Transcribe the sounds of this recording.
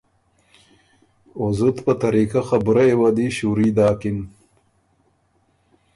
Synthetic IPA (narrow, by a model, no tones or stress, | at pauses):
ozut̪pət̪ɐɾikaxɐbɾaewad̪iɕuɾiːd̪aːkin